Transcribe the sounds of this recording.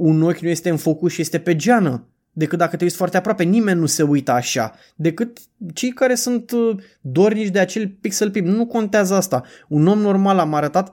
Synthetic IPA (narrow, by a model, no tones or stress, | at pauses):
uno̞kʲnuje̞st̪e̞ɨnfokuʃije̞st̪e̞pe̞d͡ʒanə | d̪e̞kɨt̪̚d̪akət̪eust̪foart̪eapɾoape̞nime̞nʲːuse̞ujt̪əaʃa̰ | d̪e̞kɨt̪ | t͡ʃe̞jkaɾe̞sunt̪ | d̪o̞rnit͡ʃʲd̪eat͡ʃe̞lʲpiksəlpibnuko̞nt̪eazəast̪auno̞mno̞rmalamaɾət̪at̪